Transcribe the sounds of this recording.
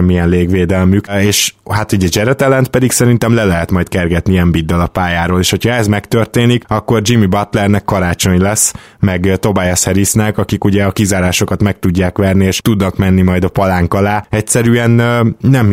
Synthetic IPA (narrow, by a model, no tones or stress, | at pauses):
mːijɛnleːɡʋeːd̪ɛlmykeːʃhat̪uɟɛd͡ʒɛɾɛt̪ɛlɛnt̪pɛd̪iksɛɾin̪t̪ɛmlɛlɛɦɛt̪mɒjt̪kɛrɡɛt̪niɛmbid̪ːɛlɒpaːjaːɾoːleːʃho̞cʰhɒɛzmɛkt̪ørt̪eːnikɒkːo̞rd͡ʒimibɒt̪lɛrnɛkːɒɾaːt͡ʃo̞ɲlɛsː | mɛɡt̪o̞bajɛshɛɾisnɛkɒkikuɟɛɒkizaːɾaːʃo̞kɒt̪mɛk̚t̪uɟːaːkʋɛrnieːʃt̪ud̪nɒkmɛnːimɒjd̪ɒpɒlaːŋkɒlaːɛcsɛɾyɛnːɛm